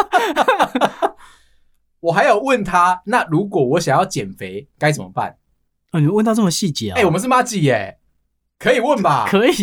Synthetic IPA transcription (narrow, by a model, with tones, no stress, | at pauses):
wɔ˨xa˧˦ɪjɑ˥˨˩ʊwə˥˨˩nt̪ʰa˦na˥˨ɻu˨˥kwɔ˨˩wɔ˨˦ɕja˨ŋjɑ˥˩ʊt͡ɕjɛ˨˩nfe˧˦ɪka˥˦ɪt͡sə˨˩mə̰˦ba̰˥˨n | o˨ni˨˦wə˥˨nt̪ʰa˥t͡sə˥˩mə˨˩ɕi˥˨t͡ɕjɛ˨˦e˩wɔ˨mə˦ʂ̬ɻ̩˥˩ma˦t͡ɕi˨˩e˨˩ | kʰɤ˧˦i˨˩wə˥˩nba˨˩kʰə˧˦i˨